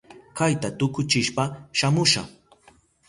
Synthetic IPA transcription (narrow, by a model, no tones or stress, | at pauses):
kajt̪at̪ʊkʊt͡ʃɪʃpaʃamʊʃa̰χ